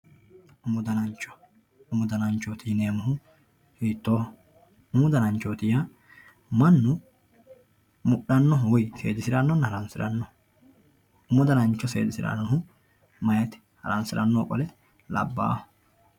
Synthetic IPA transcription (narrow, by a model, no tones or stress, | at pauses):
ʊmːʊd̪ɐnɐnt͡ʃːɔ̥ | ʊmʊd̪ɐnɐnt͡ʃːoːt̪ɪjne̞ːmʊɦʊ | hiːt̪ːoːh | ʊmʊd̪ɐnɐnt͡ʃːoːt̪ɪja | mɐnːʊ | mʊɗɐnːɔɦʊwʊjsḛːd̪ɪsɪɾɐnːɔnːhɐɾɐnsɪɾɐnːɔ | ʊmʊd̪ɐnɐnt͡ʃːɔsḛːd̪ɪsɪɾɐ̰nːɔɦʊ | mɐjɐt̪ɪ̥hɐ̰ɾɐnsɪɾʔɐnːoːkʼɔlɛ | lɐ̰bːa̰ːhɔ̥